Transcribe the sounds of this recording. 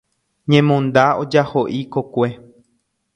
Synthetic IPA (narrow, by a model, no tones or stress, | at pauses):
ɲẽmõnd̪aod͡ʒahoʔikokʷe̞